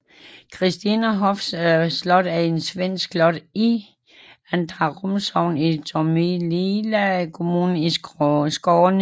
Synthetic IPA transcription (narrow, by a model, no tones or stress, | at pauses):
kʰʁisd̥inəɦɒfsslɔ̽d̥æe̝nsʋen̰sɡ̥flɔd̥i | ænd̥ʁɑʁomsɒʊ̰nit͡sʰomililækʰo̝muːnn̩isɡ̥ɒːn